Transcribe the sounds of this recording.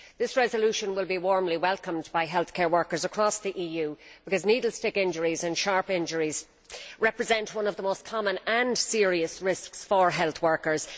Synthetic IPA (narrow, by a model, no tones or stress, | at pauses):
ðɪsɹɛzəlʉʃə̃nwɪlˠbiwɔɹmliwɛlˠkə̃mbaɪɦɛlˠθkʰɛɹwɜ˞kə˞zəkʰɹ̥ɔsðiʔiːjʉːb̥ɪkʌzniːdl̩ˠstɪkɪ̃nd͡ʒəɹizə̃nʃɑɹpɪ̃nd͡ʒəɹiz̥ | ɹɛpɹɨzɛ̃nʔwʌ̃nʌvðəmoʊskʰɑmə̃nə̃nsɪəɹiəsɹɪsksfə˞ɦɛlˠθwɜ˞kə˞z̥